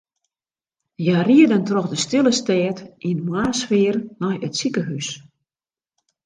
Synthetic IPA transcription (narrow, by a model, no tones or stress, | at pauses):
jariədəntrɔxdəstɪlˠəstɛːtinmwaːsfɪːrnɔjətsikəɦys